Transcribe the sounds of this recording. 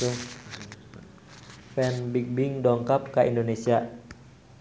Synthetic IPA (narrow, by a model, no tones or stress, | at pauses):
u | fɛnbik̚biŋdɔŋkap̚kaʔḭndonesia